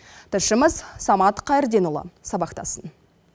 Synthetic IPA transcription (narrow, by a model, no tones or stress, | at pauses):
t̪ʰəʃəməzsɑmɑt̪qʰɑjəɾd̪e̞nulˠə̰sɑbɑqt̪ɑ̰sən